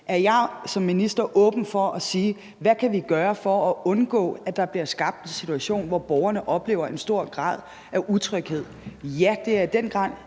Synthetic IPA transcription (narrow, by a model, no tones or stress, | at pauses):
ʔæɐjɑ̈ɪsɒ̽mːinisd̥ɐʔɔ̽ːb̥n̩fɒʔɒsiː | ʋækʰæʋiɡ̥ɶːɐfɒ̽ːʔɔ̽nɡ̥ɔ̰ːæd̥ɑ̈b̥liɐsɡ̥ɑ̈b̥̚d̥ensit͡sʰuæɕo̝̰ːnʋɒb̥ɒʊɐnəʔɒ̽b̥le̝̰ːʊɐʔe̝nsd̥o̝ɐ̰ɡ̥ʁɑ̰̈ːð̞̰ˠ | ʔæʔut͡sʰʁœɡ̥he̝ð̞̰ˠjæd̥e̝æɐid̥en̰ɡ̥ʁɑ̈n̰ˠ